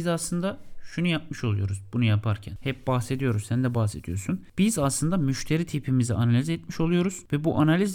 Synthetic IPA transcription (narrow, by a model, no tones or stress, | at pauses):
izaslˠɯnd̪aʃunujap̚mɯʃo̞lˠujo̞ɾuzbunujapʰaɾcʰænhɛp̚baxse̞d̪ijo̞ɾuzsænd̪ɛbaxse̞d̪ijo̞ɾsunb̥izaslˠɯnd̪amyʃt̪ʰe̞ɾit̪ʰipʰimiziʔanalʲizet̪miʃo̞lˠujo̞ɾuz̥vɛbuʔanalʲiz